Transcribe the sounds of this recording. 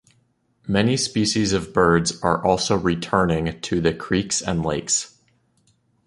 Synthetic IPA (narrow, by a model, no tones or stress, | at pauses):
mɛnispiʃizʌvbɜ˞dzə˞ʔɔlˠsoʊɹitʰɜ̃˞nɪ̃ŋtʰɨðɨkʰɹ̥iksɨ̰̃nleɪks